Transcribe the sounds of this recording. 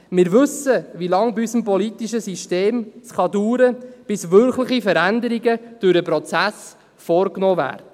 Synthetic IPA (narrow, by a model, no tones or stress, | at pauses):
mɪːɾʋɵsəʋilɑŋbiysəmpɔlit̪iʃəsiʃteːmsχɑdyːɾəb̥ɪsʋʏɾklɪχifəɾændəɾiɡəd̥ʊɾəpɾɔt͡sæs | fɔːɾknɔːvæ̰ːɾtə